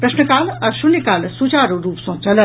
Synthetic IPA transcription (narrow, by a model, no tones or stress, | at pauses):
pɾɐʃnəkaːlɐɾʃunikaːlsut͡ʃaːɾoɾuːpsõt͡ʃɐlə